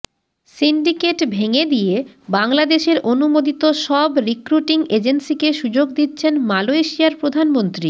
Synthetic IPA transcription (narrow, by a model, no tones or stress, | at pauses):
siɳɖikeʈbʱeŋed̪ije | baŋlad̪eʃeɾonumod̪it̪oʃɔbɾikɾuʈiŋed͡ʑensikeʃud͡ʑoɡd̪it̪ːɕʰenmaloeʃiaɾpɾod̪ʱanmont̪ɾi